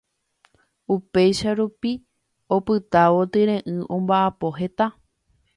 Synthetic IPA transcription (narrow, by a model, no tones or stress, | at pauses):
upe̞jʃaɾupi | opɨt̪aʋo̞t̪ɨɾẽ̞ʔɨ̃ʔõ̞mbaʔapo̞ɦe̞t̪a